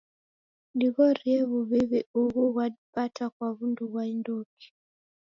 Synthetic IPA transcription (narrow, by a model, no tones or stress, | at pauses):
diɣɔɾiɛβuβiβɛuɣuɣwaipatakwaβunduβwaindɔki̥